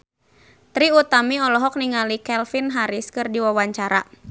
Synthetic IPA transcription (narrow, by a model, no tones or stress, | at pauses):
t̪ɾiut̪amiɔlɔɦɔk̚niŋalikɛlfinɦaɾiskɨrdiwawaɲt͡ʃaɾa̰